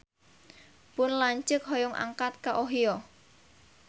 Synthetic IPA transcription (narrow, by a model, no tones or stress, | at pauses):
pʊnlaɲt͡ʃəkɦɔjɔŋʔa̰ŋkat̪̚kaʔoɦijɔ